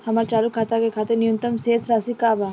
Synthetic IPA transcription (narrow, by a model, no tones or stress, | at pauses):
hɐmaɾt͡ʃaːlukʰːat̪aɡekʰat̪enijunt̪ɐmseːsɾaːsikaːba